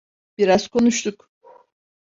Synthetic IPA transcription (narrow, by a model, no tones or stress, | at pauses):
b̥iɾaz̥kʰo̞nuʃt̪ʰuk